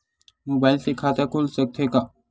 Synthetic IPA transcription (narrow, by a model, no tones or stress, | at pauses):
mobajlsekʰat̪akʰulsək̚t̪ʰeka